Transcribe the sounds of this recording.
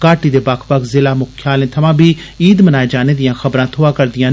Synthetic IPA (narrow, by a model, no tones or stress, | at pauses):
kaːʈiːd̪eːbakʰpəkzɪlaːmʊkʰjaːlẽːt̪ʰəmãːbiː | iːd̪mənaːeːd͡ʒaːneːd̪ɪjãːxʰəbɾãːt̪ʰʊãːkəɾd̪ɪjãː